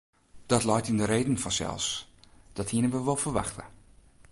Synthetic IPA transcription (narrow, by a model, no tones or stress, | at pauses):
d̥ɔtlɔjtindəɾeːdən̩fɔnsɛ̰lˠsd̥ɔthiənəʋəʋolˠfərʋa̰xtə̰